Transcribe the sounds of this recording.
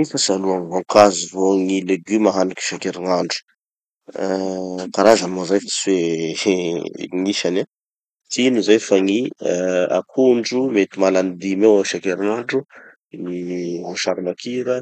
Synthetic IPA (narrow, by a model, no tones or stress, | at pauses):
ifasaluaŋvoŋkazivoŋileɡymaɦanaki̥ʃakeɾiŋaɳɖ͡ʐu̥ | kaɾazamozajfaswe | ŋiʃana | t̪inuzajfaŋi | a̰kʰuɳɖ͡ʐumet̪imalanid̪imewaʃakeɾiŋaɳɖ͡ʐu | nivoʃaɾimakʰiɾə